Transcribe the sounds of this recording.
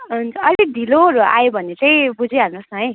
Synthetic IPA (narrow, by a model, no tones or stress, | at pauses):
ɦunt͡sʰʌʌɾed̪ʱiloɾoa̰jobʱʌnːet͡saĩbud͡ziarnusɦʌj